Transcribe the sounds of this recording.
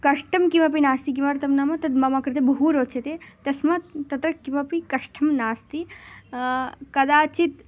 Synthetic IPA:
kɐʂʈʰɐmkimɐp̬inaːst̪ik̬imaɾt̪ɐmnaːmɐt̪ɐt̪mɐmakɐɾt̪ebɐɦuːɾoːt͡ʃʰet̪et̪ɐsmɐt̪ɐt̪ɾɐkimɐpikɐʂʈʰɐmnaːst̪i | kɐd̪aːt͡ʃit̪

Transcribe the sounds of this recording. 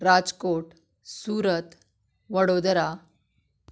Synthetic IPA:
ɾad͡zkoʈ | suːɾət̪ | ʋəɽod̪ɾa

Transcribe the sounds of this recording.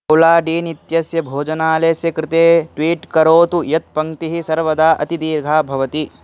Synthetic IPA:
ɐwlaːɖiːnit̪jɐsjɐbʱoːd͡ʒɐnaːleːsjɐkɾɪt̪eːʈʋiːʈkɐɾoːt̪ujɐt̪̚pɐŋt̪iɦisɐɾʋɐd̪aːʔɐ̰t̪id̪iːɾɡʱaːbʱɐʋɐt̪i

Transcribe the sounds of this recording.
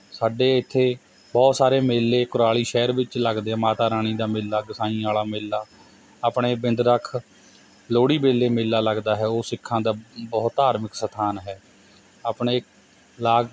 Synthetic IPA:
saːɖeːɪt̪ʰːeː | bɔːt̪saːɾeːmeːlːeːkʊɾaːliːʃɛːɾʋɪt͡ʃləɡd̪eːɛ̃ːmaːt̪aːɾaːɳ̃iːd̪aːmɪːlːaːɡɪsãːĩːaːlaːmeːlːaː | aːpɳeːbɪ̃nd̪ɾəkʰ | loːɽiːbeːlːeːmeːlːaːləɡd̪aːɦɛːoːsɪkʰːãːd̪aːbɔːt̪aːɾməksət̪ʰaːnɦɛː | aːpɳeː | laːɡ

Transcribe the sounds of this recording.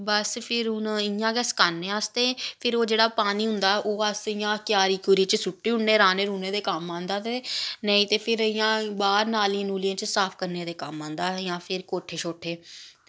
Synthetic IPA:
bəspʰɪɾʊnɪjãːɡɛːskaːnːeːəst̪eːpʰɪɾoːd͡ʒeːɽaːpaːniːɦʊnd̪aːʔoːəsɪjãːkjaːɾiːkuɾiːt͡ʃəsʊʈːiːʊɳneːɾaːneːɾuːneːd̪eːkamãːnd̪aːt̪eːnəĩːt̪eːpʰɪɾɪjãːbaːɾnaːlĩːnuːlɪjãːt͡ʃəsaːpʰkəɾneːd̪eːkəmãːnd̪aːjãːpʰɪɾkoːʈʰeːt͡ʃʰoːʈʰeː

